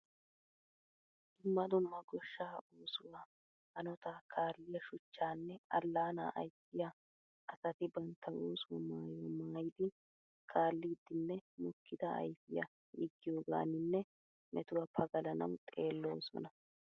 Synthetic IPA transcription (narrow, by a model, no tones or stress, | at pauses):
d̪ʊmːɐd̪ʊmːɐɡɔʃːaʔuːsʊwaː | hɐnɔt̪aːkʰaːlːɪjɐʃʊt͡ʃːaːnːɛɐlːaːna̰ːʔɐjtːɪja | ʔɐsɐt̪ɪbɐnt̪ʰːɐwoːswɔmaːjɔmaːjɪd̪ɪ | kʰaːlːiːd̪ːɪnːɛmʊkːɪd̪ɐɐ̰jfɪjɐ̰ | ɪɡːɪjoːɡa̰ːnɪnːɛ | mʔɛt̪ʊwɐpʰɐɡɐlɐnɐ̰wt̪ʼe̞ːlːo̞ːsɔ̰nɐ